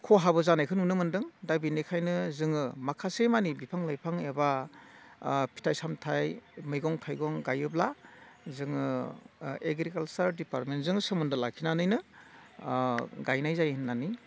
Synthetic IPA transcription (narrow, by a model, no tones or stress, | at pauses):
kʰɔɦabɯzanajkʰɯnunɯmɯndɯŋdabinikʰajnɯzɯŋɯmakʰasemanibipʰaŋlajpʰaŋeba | pʰi̥tʰajsamtʰajmɯjɡɔŋtʰajɡɔŋɡajɯblazɯŋɯ | eɡɾikalsaɾdipaɾt̚mentzɯŋsɯmɯndɯlakʰinanɯjnɯ | ɡajnajzajnːani